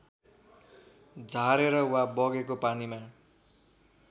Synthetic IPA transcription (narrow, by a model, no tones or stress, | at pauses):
d͡zʱaɾeɾʌwabʌɡekopanima